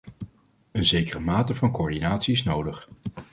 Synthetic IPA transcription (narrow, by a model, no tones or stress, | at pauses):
ənzejkərəmaːtəvɑnkoːɹdinaːtsiɪsnowdəχ